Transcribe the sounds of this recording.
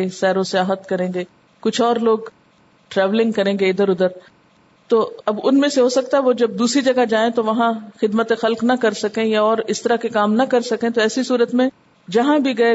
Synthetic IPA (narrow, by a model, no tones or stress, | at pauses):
esɛːɾosɪjaːɦət̪kɐɾẽːɡeː | kʊt͡ʃʰɔːɾloːɡ | ʈɾɛːʋlɪ̃ŋɡ̚kɐɾẽːŋɡeɪd̪əɾʊd̪əɾ | t̪oːɐbʊnmẽseɦosɐk̚t̪aɦɛʋod͡ʒɐb̚d̪uːsɾid͡ʒɐɡad͡ʒaːẽt̪oʋɐɦãxɪd̪mət̪exɐlknɐkɐɾsɐkẽjaɔːɾɪst̪ɐɾakekaːmnɐkɐɾsɐkẽt̪oɛːsisuːɾət̪mẽ | d͡ʒɐɦãbʱiɡɐe